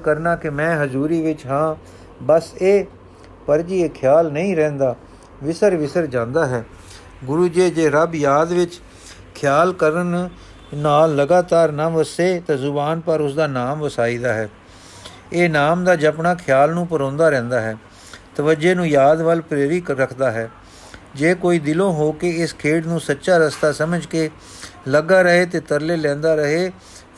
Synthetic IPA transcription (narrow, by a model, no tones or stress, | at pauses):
kəɾnaːkɪmɛ̃ːɦəzuːɾiːʋɪt͡ʃɦãː | bəseː | pəɾd͡ʒiːeːkʰɪjaːlnəĩːɾɛ̃ːnd̪aː | ʋɪsəɾʋɪsəɾd͡ʒãːnd̪aːɦɛː | ɡʊɾuːd͡ʒeːd͡ʒeːɾəbjaːd̪ʋɪt͡ʃ | kʰjaːlkəɾən | naːlːəɡaːt̪aːɾnãːʋəseːt̪ãːzʊbaːnpəɾʊsd̪aːnaːmʋəsaːiːd̪aːɦɛː | eːnaːmd̪aːd͡ʒəpɳaːkʰjaːlnũːpəɾɔ̃ːnd̪aːɾɛ̃ːnd̪aːɦɛː | t̪əʋəd͡ʒeːnũːjaːd̪ʋəlpɾeːʋiːkɾəkʰd̪aːɦɛː | d͡ʒeːkoːiːd̪ɪlõːɦoːkeːɪskʰeːʈnũːsətːʃaːɾəst̪aːsəməd͡ʒkeː | ləɡaːɾəɦeːt̪eːt̪əɾleːlɛ̃ːnd̪aːɾəɦeː